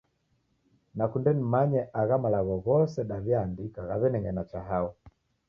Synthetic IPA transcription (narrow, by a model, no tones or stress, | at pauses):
nakundɛnimaɲɛʔaɣamalaɣɔɣɔsɛɗavjandikaɣaβɛnɛŋɡɛnat͡ʃaɦaɔ